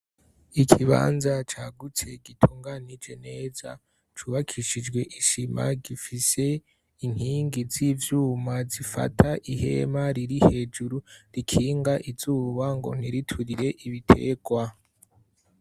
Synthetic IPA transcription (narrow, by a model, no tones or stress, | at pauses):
ikʰiβa̰ːnzat͡ʃaːɡut͡se̞ɡitʰuːŋɡanid͡ʒe̞ne̞ːza̰ | t͡ʃuβakʰiʃid͡ʒɡwe̞ʔiʃima̰ɡifise̞ | iŋ̥hiːŋɡizivjuːmazifa̰tʰaʔihe̞̰maɾiɾihe̞ːd͡ʒuɾuɾikʰiːŋɡaʔiz̥uːβaŋɡo̞̰n̥iɾitʰuɾiɾe̞ʔiβitʰe̞̰ɡ̥wa